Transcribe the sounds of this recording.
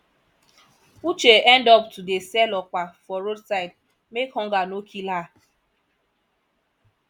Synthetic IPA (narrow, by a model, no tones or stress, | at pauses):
ut͡ʃeʔɛndɔptudesɛlɔkʷafɔɾodsaɪd̚ | mekhɔ̃ŋɡanokʰila